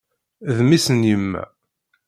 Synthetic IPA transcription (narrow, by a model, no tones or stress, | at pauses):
ðmisənjəmːæ̰